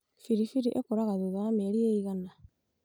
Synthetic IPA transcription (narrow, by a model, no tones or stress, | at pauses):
fiɾifiɾiʔekoɾaɣaðuðaːmeeɾieiɣana